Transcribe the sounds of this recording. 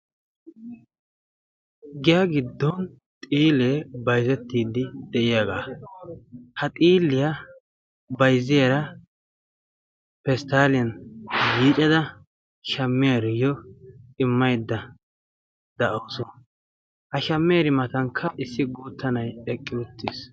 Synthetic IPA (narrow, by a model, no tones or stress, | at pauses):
ɡɪjaɡɪd̪ːɔn | t̪ʼiːleːbɐjzɛt̪ːiːd̪ːɪd̪ɛʔɪjaɡaː | hɐt̪ʼiːlːɪja | bɐjzːɪjaɾɐ | pɛst̪aːlɪjɐnbiːt͡ʃʼɐd̪ɐ | ʃɐmːɪjɐɾɔjɔɪmːɐjd̪ːɐ | d̪ɐʔɐwsɔn | hɐʃɐmːɛjaɾɪmɐt̪ɐŋkʰːɐʔɪsːɪɡuːt̪ːɐnɐjɛkʼːɪʊt̪ːɪs